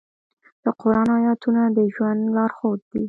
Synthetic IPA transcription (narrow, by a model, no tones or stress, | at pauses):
d̪̥əqʊɾɑnɑjɑt̪unad̪əʒwand̪lɑɾxod̪̚d̪i